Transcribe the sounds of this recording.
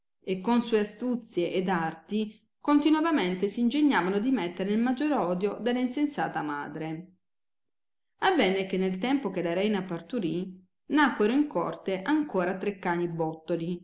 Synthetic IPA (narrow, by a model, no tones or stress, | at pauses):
ekːonsuːeast̪ut̪sjeʔed̪art̪i | kont̪inwɔvament̪esiːnd͡ʒeɲːaːvanod̪imet̪ːeɾenilmad͡ʒːoɾɔːd̪jod̪elːainsensa̰ːt̪ama̰ːd̪ɾe | avːɛnːekenːelt̪ɛmpok̟elaɾɛjnapart̪uɾi | nakweɾoiŋkɔ̰rt̪eʔaŋkoːɾat̪ɾekːaːnibɔt̪ːoli